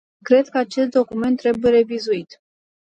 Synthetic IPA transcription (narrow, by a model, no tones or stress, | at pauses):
kɾe̞d̪kəat͡ʃe̞st̪̚d̪o̞kume̞nt̪ːɾe̞buje̞ɾe̞vizuit̪